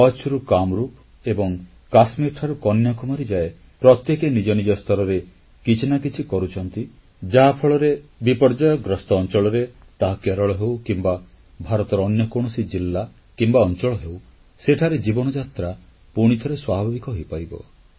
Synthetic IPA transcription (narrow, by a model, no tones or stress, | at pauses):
ɔt͡ʃɾukamɾup | ebɔŋ | kasmiɾʈʰaɾukɔnjɔkɔmaɾid͡ʒae | pɾɔt̪jekenid͡ʒɔnid͡ʒɔst̪ʰɔɾɔɾe | kit͡ʃʰinakit͡ʃʰikɔɾut͡ʃʰɔnt̪i | d͡ʒaɦapʰɔɭɔɾebipɔɾd͡ʒajɔɡɾɔst̪ɔːnt͡ʃɔɭɔɾe | t̪aɦakeɾɔɭɔɦewkimba | bʱaɾɔt̪ɔɾːnjɔkoɽ̃ɔsid͡ʒilːa | kimbaɔnt͡ʃɔɭɔɦew | seʈʰaɾed͡ʒibɔnɔd͡ʒat̪ɾa | puɽ̃it̪ʰɔɾeswabʱbʱabikɔɦojpaɾibɔ̰